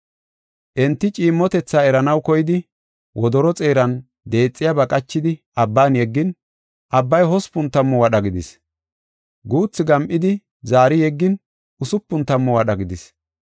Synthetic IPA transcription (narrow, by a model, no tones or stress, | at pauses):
ʔɛnt̪ːɪt͡ʃʼiːmːɔt̪ɛt͡sːaːɛɾɐnɐwkɔjɪd̪ɪ | wʔɔd̪ɔɾɔt͡sʼe̞ːɾɐn | d̪e̞ːt͡sʼːɪjabɐkʼɐt͡ʃːɪd̪ɪʔɐbːaːnjɛɡːɪn | ʔɐbːɐjɦɔspʊnt̪ːɐmːɔwɐɗɐɡɪd̪ɪs | ɡuːt͡sːɪɡɐmʔɪd̪ɪ | zaːɾɪjɛɡːɪn | ʔʊsʊpːʊnt̪ːɐmːɔwɐɗɐɡɪd̪ɪs